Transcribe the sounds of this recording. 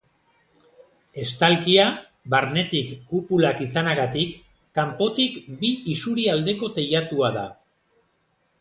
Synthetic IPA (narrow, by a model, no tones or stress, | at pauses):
e̞st̪alkia | βaɾne̞t̪ikːupulakisanaɣat̪ikː | ampo̞t̪ikbiisuɾiald̪e̞ko̞t̪e̞jat̪uaða